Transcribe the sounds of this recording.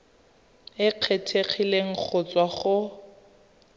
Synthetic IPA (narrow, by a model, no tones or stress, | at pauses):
ɪq͡χʰetʰeχileŋ̩k͡xʰʊt͡swaχʊ